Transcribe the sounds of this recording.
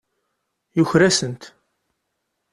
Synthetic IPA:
jʊçɾæsənt̪

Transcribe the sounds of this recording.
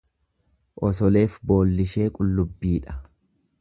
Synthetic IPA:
ʔɔsɔle̞ːfbo̞ːlːɪʃe̞ːkʼʊlːʊbːiːᶑɐ̥

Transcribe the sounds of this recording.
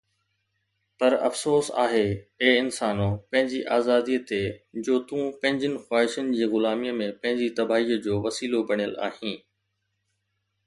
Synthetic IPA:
pɐɾɐ̰fsoːsa̰ːɦeeːɪnsaːnõpɐ̃ɦɪ̃ɲd͡ʑiʔaːzaːd̪iːt̪ed͡ʑoːt̪ũːpɐ̃ɦɪ̃ɲd͡ʑənɪ̆xwaːɦɪʃʊnɪ̆d͡ʑiːɣʊlaːmimẽpɐ̃ɦɪ̃ɲd͡ʑit̪ɐbaːɦiːəd͡ʑoːʋɐsiːlobɐɳ̤̃ijəla̰ːɦĩː

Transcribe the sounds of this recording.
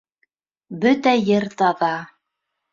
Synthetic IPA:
bɵt̪æjɘɾt̪ɑðɑ

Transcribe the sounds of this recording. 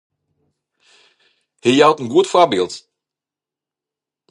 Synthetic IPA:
hejawtənɡuətfɔbɪlˠt

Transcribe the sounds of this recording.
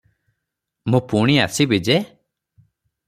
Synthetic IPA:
mũpuɽ̃ia̰sibid͡ʒe

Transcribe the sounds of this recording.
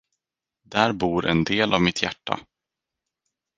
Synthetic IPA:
d̪æːɾbuːɾʔɛnd̪eːlʔavmɪt̪ʰjæʈːa̰

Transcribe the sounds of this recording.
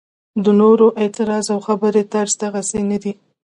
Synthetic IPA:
d̪ənoɾoʔet̪ɪɾɑzawxabəɾet̪aɾzt̪aɣasenad̪i

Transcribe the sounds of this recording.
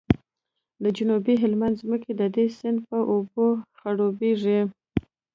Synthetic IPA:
d̪əd͡ʒʊnubiɦɪlmand̪zməked̪əd̪esɪnd̪pəʔoboxaɽobeʐi

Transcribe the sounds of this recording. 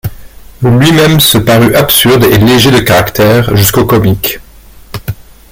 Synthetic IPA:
lɥimɛmsəpaʁyʔapsyʁd̪eleʒed̪əkaʁakt̪ɛʁʒyskokɔmik

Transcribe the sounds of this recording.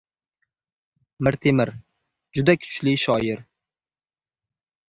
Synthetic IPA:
mɪɾt̪ʰemɪɾ | d͡ʒʊd̪akʲʰʊ̥t͡ʃlɪʃɒjɪɾ

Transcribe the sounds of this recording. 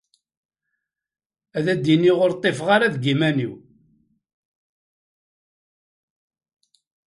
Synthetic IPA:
æðæd̪ːiniʁoɾt̪ˤːefʁaɾaðɡimæniw

